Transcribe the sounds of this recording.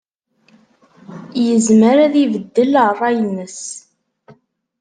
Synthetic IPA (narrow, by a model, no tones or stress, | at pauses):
jəzməɾæðivəd̪ːəlʁrˤɑjənːəs